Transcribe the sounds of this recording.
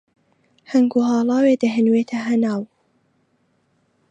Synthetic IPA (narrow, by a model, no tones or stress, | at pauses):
hɐŋɡuhɑːlˠɑːweːd̪ɐɦɨnweːt̪ʰɐɦɐnaːw